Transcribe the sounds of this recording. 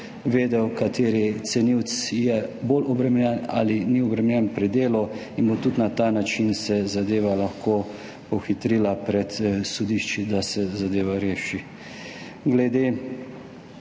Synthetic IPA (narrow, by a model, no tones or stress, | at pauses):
ʋeːd̪ɛwkat̪eːɾit̪sɛniwt̪sjɛboːlɔbɾɛmɛɛna̰liniɔbɾɛmɛnjɛnpɾid̪eːlɔinbot̪ut̪nat̪aːnat͡ʃinsɛzad̪eːʋalaxkʰoː | pɔxit̪ɾilapɾɛt̪sɔd̪iʃt͡ʃid̪asɛzad̪eːʋaɾeːʃi | ɡlɛd̪eː